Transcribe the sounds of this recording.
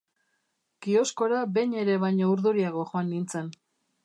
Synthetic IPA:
ɡ̥io̞sko̞ɾabe̞ɲe̞ɾe̞βajɲouɾðuɾiaɣ̞o̞ʝoanːint͡se̞n

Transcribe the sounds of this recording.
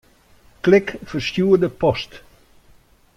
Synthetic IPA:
klɪkfərstjuːədəpɔst

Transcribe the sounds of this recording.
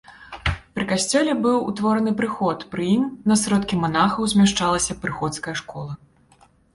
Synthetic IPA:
pɾɨkasʲt͡sʲɛlʲɛbɨwṵt̪vɔɾɐnɨpɾɨxɔt̪pɾɨjimnɐsɾɔt̪kʲimanaxɐwzʲmʲaʂt͡ʂalˠɐsʲɐpɾɨxɔt̪skɐjɐʂkɔlˠɐ

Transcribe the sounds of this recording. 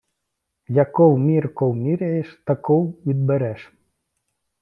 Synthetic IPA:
jakɔwmʲirkɔwmʲiɾʲɛjeʃt̪ɐkɔwʋʲid̪̚bɛɾɛʂ

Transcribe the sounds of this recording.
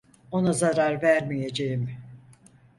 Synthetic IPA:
o̞nazaɾaɾvæɾmijed͡ʒejim

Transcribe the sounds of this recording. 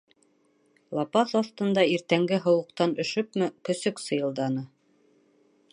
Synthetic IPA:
lˠɑpɑθɑθt̪ɤ̆nd̪ɑiɾt̪æŋɡɘɦŏwɤ̆qt̪ɑnɵ̆ʃɵp̚mɘkɵ̆sɵksɤ̆jɤ̆lˠd̪ɑnɤ

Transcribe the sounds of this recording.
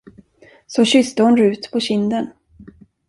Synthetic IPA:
sɔɕʏst̪əhʊnɾʉ̟ːt̪pʰɔɕɪnd̪ən

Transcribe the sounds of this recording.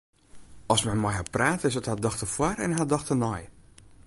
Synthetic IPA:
ɔsmɛnmɔjhat̚praːtəɪsəthadɔxtəfwarɛ̰nɦadɔxtənɔj

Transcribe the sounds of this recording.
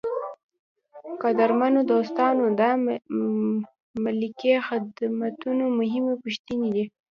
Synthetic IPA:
qad̪aɾmanod̪ost̪ɑnod̪ɑ | malikexɪd̪mat̪unomʊɦɪmepʊʃt̪ined̪i

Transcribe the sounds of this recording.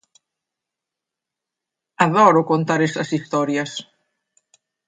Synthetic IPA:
aðɔɾokont̪aɾest̪ɐsist̪ɔɾjɐs

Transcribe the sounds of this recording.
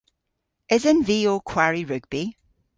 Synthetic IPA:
ɪzə̃nviːoːkʰw̥aɹiɹʉɡ̚b̥i

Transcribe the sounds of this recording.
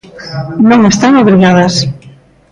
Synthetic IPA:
nõŋest̪aŋoβɾiɣað̞as

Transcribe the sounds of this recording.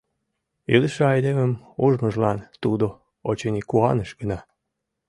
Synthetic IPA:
iləʃeɑjd̪eməmuʒmə̆ʒlɑnt̪ud̪o | ot͡ɕenʲikuɑnəʃɡənɑ

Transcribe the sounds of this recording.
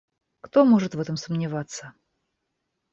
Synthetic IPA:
kt̪o̞moʐɨt̪vɛt̪əmsəmnʲɪvat̪sːə

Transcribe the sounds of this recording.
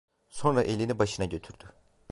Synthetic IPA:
so̞nɾaʔe̞lʲinibaʃɯnaɟø̞t̪ʰyɾd̪̥y

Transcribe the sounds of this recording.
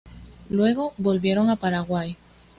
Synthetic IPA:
lwe̞ɣo̞bo̞lβje̞ɾo̞ŋapaɾaɣwaj

